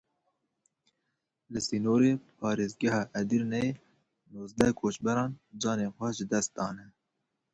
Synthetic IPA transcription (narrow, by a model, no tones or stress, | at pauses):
lɨsiːnoːɾeːpʰɑːɾeːzɡɛɦɑːʔɛd̪iɾnɛe | noːzd̪ɛkʰoːt͡ʃbɛɾɑːnd͡ʒɑːneːnxʷɛʒɨd̪ɛst̪̚d̪ɑːnɛ